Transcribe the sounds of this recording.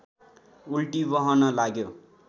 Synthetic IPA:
ulʈibʌɦʌnʌlaɡjo

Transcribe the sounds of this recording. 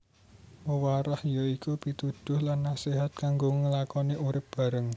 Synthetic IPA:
wəwaɾahjoikub̥it̪ud̪̥ʊ̤hlanːasiɦat̪̚kaŋɡoŋəlakɔniʔuɾɪp̚b̥a̤ɾəŋ

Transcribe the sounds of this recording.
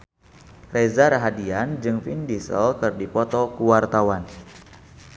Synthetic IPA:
rezaɾaɦadiand͡ʒɨŋfindisə̰lkɨrdipɔt̪ɔkuwart̪awan

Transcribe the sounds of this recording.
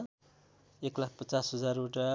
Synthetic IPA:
eklak̚ʰpʌt͡sasɦʌd͡zaruʈa

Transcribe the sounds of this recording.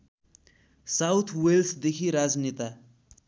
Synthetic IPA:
sawt̪ʰwelsd̪ekʰiɾad͡znit̪a

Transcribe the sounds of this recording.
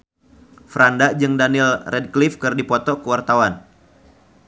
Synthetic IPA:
fɾandad͡ʒɨŋdanilrɛd̚klifkɨrdipɔt̪ɔkəwart̪awan

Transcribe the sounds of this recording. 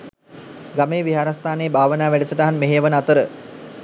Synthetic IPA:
ɡameːʋiɦaːɾast̪aːneːbʱaːʋənaːʋæɖəsəʈaɦanmeɦejəʋənəat̪əɾə

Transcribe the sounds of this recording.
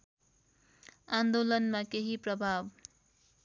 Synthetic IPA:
ãnd̪olʌnmakeɦiprʌbʱab

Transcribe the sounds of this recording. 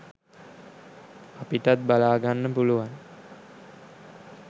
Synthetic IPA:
apitat̪̚balaːɡanːəpuluʋaŋ

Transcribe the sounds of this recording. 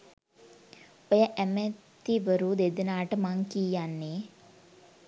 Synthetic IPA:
ojəʔæmət̪iʋəɾud̪ed̪enaːʈəmaŋkijanːeː

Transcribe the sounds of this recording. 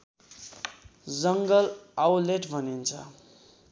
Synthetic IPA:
d͡zʌŋɡʌlawleʈbʱʌnint͡sʰʌ̰

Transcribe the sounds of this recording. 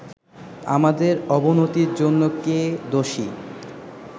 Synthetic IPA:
a̰mad̪eɾɔbonot̪iɾd͡ʑonːoked̪oʃi

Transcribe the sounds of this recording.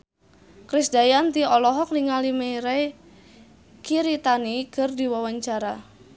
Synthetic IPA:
kɾisdajant̪iɔlɔɦɔk̚niŋalimeɾɛ | kiɾit̪anikɨrdiwawaɲt͡ʃaɾa

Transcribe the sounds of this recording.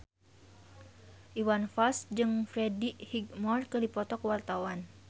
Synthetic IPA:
ʔiwanfasd͡ʒɨŋfɾɛdihiɡmɔrkərdipɔt̪ɔkəwart̪awan

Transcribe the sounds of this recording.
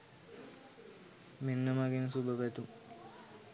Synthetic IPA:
menːəmaɡinsubəʋɛt̪u

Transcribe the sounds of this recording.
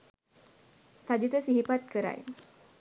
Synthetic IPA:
sad͡ʒit̪əsihipat̪̚kəɾa̰j̰

